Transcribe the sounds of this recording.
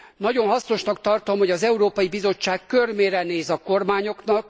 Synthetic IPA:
nɒɟo̞nɦɒsno̞ʃnɒk̚t̪ɒrt̪o̞mho̞ɟɒzɛuɾoːpɒjibizo̞t͡ʃːaːkkːørmeːɾɛneːzɒko̞rmaːɲo̞knɒk̚

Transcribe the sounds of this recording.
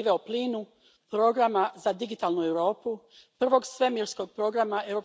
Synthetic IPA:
iʋeopliːnu | pɾo̞ɡɾamazad̪iɡit̪aːlˠnue̞wɾo̞ːpupr̩ʋo̞ɡsʋe̞miɾsko̞ɡ̚pɾo̞ɡɾamae̞wɾo̞p

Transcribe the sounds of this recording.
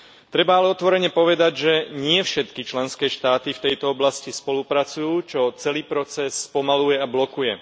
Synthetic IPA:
t̪ɾɛbaalɛɔt̪ʋɔɾɛɲɛpɔʋɛd̪aɟʒɛɲɪɛfʃɛt̪kit͡ʃlɛnskɛːʃt̪aːt̪ift̪ɛjt̪ɔɔblascispɔlupɾat͡sujuːt͡ʃɔt͡sɛliːpɾɔt͡sɛsːpɔmalujɛablɔkujɛ

